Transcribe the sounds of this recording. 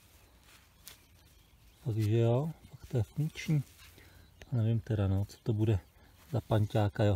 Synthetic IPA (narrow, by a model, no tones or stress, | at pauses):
paɡʒɛjopakt̪ɛɛfuŋkt͡ʃɲiː | anɛvɪmt̪ɛɾanɛot͡so̥t̪obudɛ | zapaɲcaːkajo